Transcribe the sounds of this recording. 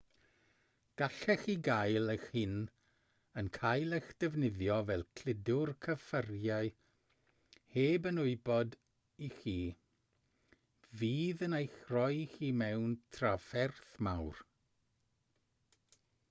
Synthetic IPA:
ɡ̥aɬɛxiːɡajlˠəxhɪn | ənkʰajlˠəxd̥ɛvnɪðjɔvɛlˠkʰl̥ɪdʊrkʰəfərjaɨ | heːbənʊɨbɔd | ixiː | viːðənejxrɔjxiːmɛwntʰrafɛrθmawr

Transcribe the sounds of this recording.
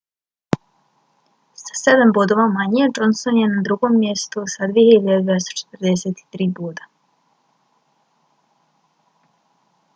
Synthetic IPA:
sḁse̞d̪ambod̪oʋamaɲied͡ʒonsonjenad̪ɾuɡo̞ːmːjest̪usad̪ʋiehiiʎad̪ed̪veest̪ot͡ʃe̥t̪r̩d̪eset̪i̥t̪ɾiːboːd̪a

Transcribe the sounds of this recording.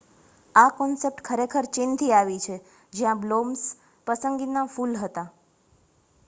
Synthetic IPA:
akɔnsep̚ʈkʰəɾekʰəɾt͡ʃɪnt̪ʰiaʋit͡ʃʰe | d͡ʒjãbloms | pəsəŋɡinafulɦət̪a

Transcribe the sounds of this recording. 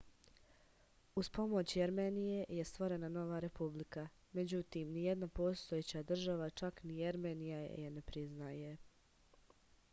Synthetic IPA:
uspo̞mo̞t͡ɕjeɾmeːnije̞jest̪ʋo̞ɾe̞nano̞ʋaɾe̞publika | me̞d͡ʑut̪iːmnijed̪napo̞ːst̪ojet͡ɕad̪r̩ʒaʋat͡ʃaknijeɾmeːnija̰jene̞pɾiznaje̞

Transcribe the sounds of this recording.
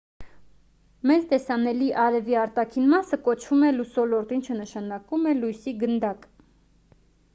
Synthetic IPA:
mɛt͡st̪ɛsɑnɛliʔɑɾɛviɑɾt̪ɑkʰinmɑsəkɔt͡ʃʰvumɛlusɔlɔɾt̪int͡ʃʰənəʃɑnɑkumɛlujsiɡənd̪ɑk

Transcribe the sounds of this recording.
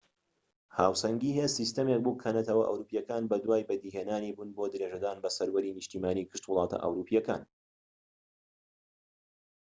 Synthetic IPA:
haːwsɐŋɡiːɦesist̪ɐmek̚buːkʰɐnɐt̪ʰɐwɐʔɐ̰wɾuːpijɐkaːnbɐd̪waːjbɐd̪iːɦeːnaːniːbunbod̪ɨɾeːʒɐd̪aːnbɐsɐɾwɐɾiːnɨʃt̪iːmaːnikʰɨ̥ʃt̪wʊlˠɑːt̪ʰɐ̰ʔɐ̰wɾuːpijɛka̰ːn

